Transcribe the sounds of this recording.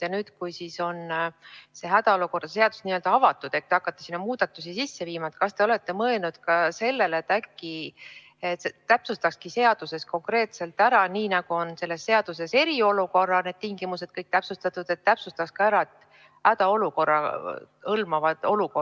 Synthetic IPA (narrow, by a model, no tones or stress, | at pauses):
jɑnyːd̪̥kujsiːso̞n | se̞ɦæd̪̥ɑoluko̞rd̪̥ɑs̬e̞ɑd̪̥usniøld̪̥ɑɑvɑt̪ːˑud̪̥ek̚t̪eɑkːˑɑt̪ːˑe̥sinːɑmuːd̪̥ɑt̪ːˑusisisːe̞viːmɑet̪kɑst̪e̞o̞le̞t̪ːe̞mɤelnud̪̥kɑse̞lːe̞let̪ːækːi | et̪t̪ːæpsust̪ɑkskise̞ɑd̪̥use̞sko̞ŋkre̞ːt̪se̞lt̪ːæɾɑniːnɑɡ̥uo̞nse̞lːe̞sːe̞ɑd̪̥use̞se̞ɾio̞luko̞rːɑne̞d̪̥t̪iŋɡimuse̞d̪̥̚kɤjk̚t̪æpsust̪ɑt̪ːˑud̪̥e̞t̪ːæpsust̪ɑkskɑæɾɑet̪ː | hæd̪̥ɑo̞luko̞rːɑ̰ | ɤlmɑvɑd̪̥o̞luko